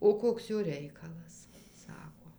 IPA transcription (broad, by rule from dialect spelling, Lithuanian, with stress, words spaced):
oː ˈkoːks ˈjoː ˈrʲɛɪkɐlˠɐs ˈsɑːkoː